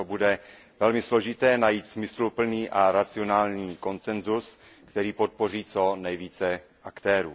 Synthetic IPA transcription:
obudɛ | vɛlmɪslo̞ʒɪt̪ɛːnajiːt̪smɪslupl̩niːʔaɾat͡sionaːlɲiːko̞nt͡sɛnzus | kt̪ɛɾiːpo̞t̪̚po̞riːt͡so̞nɛjviːt͡sɛ | ʔakt̪ɛːɾṵː

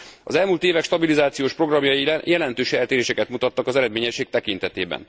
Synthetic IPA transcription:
ɒ̰zɛlmuːlt̪eːvɛkʃt̪ɒbilizaːt̪sijoːʃproɡrɒmjɒjijɛlɛnt̪øːʃɛlt̪eːɾeːʃɛkɛt̪mut̪ɒt̪ːɒkɒzɛɾɛd̪meːɲɛʃeːk̚t̪ɛkint̪ɛt̪eːbɛ̰n

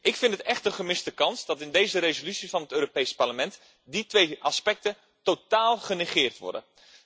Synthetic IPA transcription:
ʔɪkfɪntətɛχtənχəmɪstəkɑnsdɑtɪndejzəɾejzolytsivɑnɦətøːɾopejspɑɹləmɛnt | ditʋejʔɑspɛk̚tə | totaːlˠχəneχɪːrtʋɔ̰ɹdə̰n

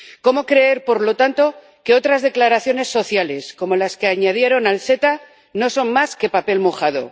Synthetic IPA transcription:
ko̞mo̞kɾe̞e̞ɾpo̞ɾlo̞t̪ant̪o̞ | ke̞o̞t̪ɾazðe̞klaɾaθjo̞ne̞sːo̞θjale̞sko̞mo̞laske̞aɲað̞je̞ɾo̞nalse̞t̪a | no̞so̞nmaske̞pape̞lmo̞xað̞o̞̰

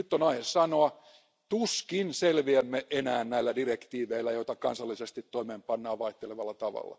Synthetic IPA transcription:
yt̪ːonɑihessɑnoɑ | t̪uskinselʋiæmːeʔenæːnnæilːˑædirekt̪iːʋeilːˑæjoit̪ɑkɑnsɑlːisest̪it̪toimeːmpɑnːɑːʋʋɑiht̪ːeleʋɑlːɑt̪ɑʋɑ̰lːɑ̰

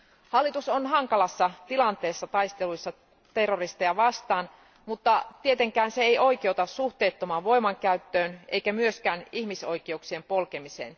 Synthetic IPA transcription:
hɑlːit̪usonɦɑŋkɑlɑsːɑt̪ilɑnt̪e̞ːsːɑt̪ɑjst̪elujsːɑ | t̪erːorist̪ejɑʋɑst̪ɑːn | mut̪ːɑt̪iet̪eŋkæːnseejʔo̞jk̟e̞wt̪ɑssuht̪eːt̪ːomɑʋo̞jmɑŋkæyt̪ːøːnʔḛjkæmyøskæːniçmiso̞jk̟euksiempolk̟emisḛːn

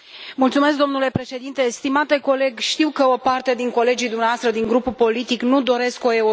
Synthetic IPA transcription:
mult̪sume̞sk̚d̪o̞mnule̞pɾe̞ʃe̞d̪int̪e̞st̪imat̪e̞ko̞le̞ɡʲʃt̪iwkəo̞part̪e̞d̪iŋko̞le̞d͡ʒijd̪umeaast̪ɾəd̪iŋɡɾupulpo̞lit̪iknud̪o̞ɾe̞sko̞e̞u

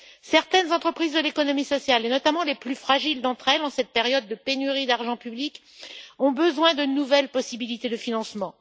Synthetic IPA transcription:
sɛʁt̪ɛnzɑ̃t̪χəpχizd̪əlekɔnɔmisɔsjalenɔt̪amɑ̃leplyfχaʒild̪ɑ̃t̪χɛlɑ̃sɛt̪̚peʁjɔd̪ːəpenyʁid̪aʁʒɑ̃pyblik | ɔ̃bəzwɛ̃d̪ənuvɛlpɔsibilit̪ed̪əfinɑ̃smɑ̃

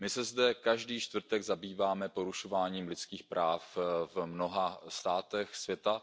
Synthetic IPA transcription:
mɪsɛzdɛkaʒdiːt͡ʃt̪vr̩t̪ɛɡzabiːvaːmɛpo̞ɾuʃo̞vaːɲiːmlɪt͡skiːxpɾaːfvmno̞ɦast̪aːt̪ɛxsvjɛt̪a

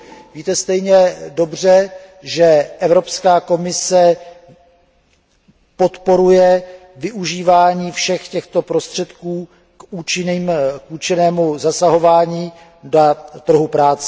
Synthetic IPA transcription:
viːt̪ɛst̪ɛjɲɛdo̞br̝ɛ | ʒɛʔɛvɾo̞pskaːko̞mɪsɛ | po̞t̪po̞ɾujɛ | vɪʔuʒiːvaːɲiːfʃɛxcɛxt̪o̞pɾo̞st̪r̝̥ɛt̪kuː | kuːt͡ʃɪniːmkuːt͡ʃɪnɛːmuzasaɦovaːɲiː | dat̪r̩ɦupɾaːt͡sɛ

